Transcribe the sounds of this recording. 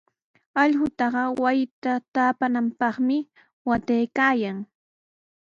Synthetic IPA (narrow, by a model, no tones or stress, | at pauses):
ɑʎhʊt̪ɑɢɑwajɪt̪at̪aːpanampɑχmɪ | wat̪ejkaːjaŋ